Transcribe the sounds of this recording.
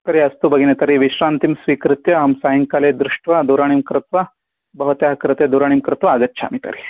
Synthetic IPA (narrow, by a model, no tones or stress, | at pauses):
t̪ɐɾiɐst̪ubʱɐɡinet̪ɐɾiʋiʃɾaːnt̪imsʋikɾɨt̪jɐɦɐmsaɦiŋkaled̪ɾɨʂʈʋad̪uɾaɳ̃imkɾɨt̪ʋa | bɐɦut̪jaɦkɾɨt̪ed̪uɾaːɳimkɾɨt̪ʋaːɡɐtːt͡ʃʰa̰mit̪ɐ̰ɾi